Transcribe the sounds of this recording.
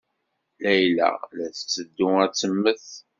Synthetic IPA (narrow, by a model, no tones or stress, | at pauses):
læjlæ̰læθət͡sːəd̪ːʊæt͡sːəmːəθ